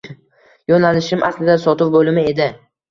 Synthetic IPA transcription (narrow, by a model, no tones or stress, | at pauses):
jɒnalɪʃɪmʔa̰slɪd̪asɒt̪ɪpbolɪmɪe̞d̪ɪ